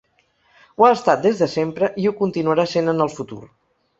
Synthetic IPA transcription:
uaəst̪at̪̚d̪ezðəsempɾəʔiukunt̪inuəɾasenənəlˠfut̪ṵɾ

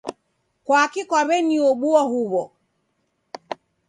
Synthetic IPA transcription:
kwakikwaβɛniɔɓuɔhuβɔ

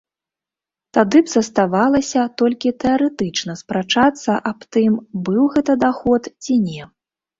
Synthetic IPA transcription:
t̪ad̪ɨbz̥ɐst̪avalˠɐsʲɐt̪ɔlʲkʲit̪ɛaɾɛt̪ɨt͡ʂnɐspɾat͡ʂat̪sːɐʔapt̪ɨmbɨwɣɛt̪ɐd̪axɔt̪t͡sʲinʲɛ

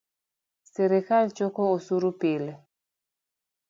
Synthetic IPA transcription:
seɾekalt͡ʃokɔosuɾupelɛ

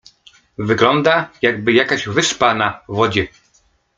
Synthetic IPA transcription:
vɘɡlɔnd̪ajaɡ̚bɘjakaʑvɘʂpanavɔd͡ʑɛ

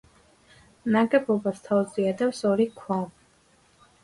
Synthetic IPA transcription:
naɡɛbɔbast̪ʰaud̪ziɛd̪ɛpsɔɾikʰwav

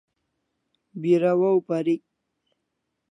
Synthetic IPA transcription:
biɾawawpaɾi

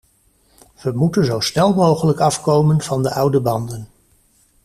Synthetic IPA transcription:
ʋəmutənzowsnɛlˠmowχələkɑfkowmənv̥ɑndəʔʌwdəbɑndən

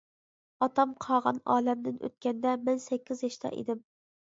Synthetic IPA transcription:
ɑt̪ɑmqʰɑːʁɑ̰nɑːlɛmd̪ɪnʔø̰t̪̚kʲɛnd̪ɛmɛnsɛkʲːizjɛʃt̪ʰɑ̰ʔḛd̪ɪm

